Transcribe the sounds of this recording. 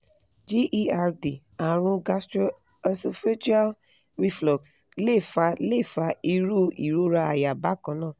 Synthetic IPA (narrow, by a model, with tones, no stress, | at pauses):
d͡ʒi˦ʔi˦a˦ɾdi˨ | a˨ɾũ˦ɡa˦stɾo˦ | a˦so˧fe˦d͡ʒa˦l | ɾi˦flɔ˨ksle˦˨fa˧˦le˦˨fa˧i˦ɾu˦˨i˨ɾu˦ɾa˧a˨ja˨ba˦kɔ̃˨˦nãː˦˨